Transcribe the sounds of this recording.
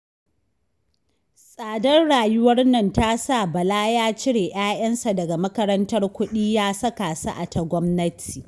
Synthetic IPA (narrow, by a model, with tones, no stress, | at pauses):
sʼaː˨dɐ˦rɽaː˨jʊ˦wɐ˦rnɐ˦ntaː˦sa˦˨bɐ˨laː˦jaː˦t͡ʃɪ˦ɽeː˨ʔj̰aː˦jʔɐ˦nsa˨dɐ˨ɡa˨mɐ˦kɐ˦ɾɐ˦ntɐ˦rkʷʊ˦ɗiː˦jaː˦sɐ˦ka˨sa̰˦ʔa˨ta˨ɡʷɔ˦mnɐ˦tʰi̥ː˨